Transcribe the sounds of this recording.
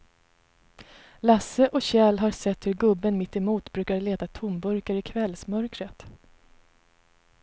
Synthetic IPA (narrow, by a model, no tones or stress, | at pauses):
lasəʔɔɕɛːlɦaɾsɛt̪ːhɵɾɡɵbːənmɪt̪ːɪmuːt̪bɾʉ̟ːkaɾɭeːt̪at̪ʰʊmbɵɾkaɾɪkʰvɛlsmœɾkɾət̪